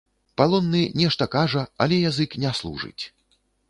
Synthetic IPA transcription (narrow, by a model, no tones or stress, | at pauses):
palˠɔnːɨnʲɛʂt̪ɐkaʐɐa̰lʲɛjazɨknʲɛslˠṵʐɨ̰t͡sʲ